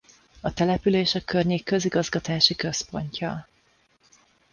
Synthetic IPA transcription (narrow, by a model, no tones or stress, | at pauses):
ɒt̪ɛlɛpyleːʃɒkørɲeːkːø̞ziɡɒzɡɒt̪aːʃikø̞spo̞̰ɲcʰɒ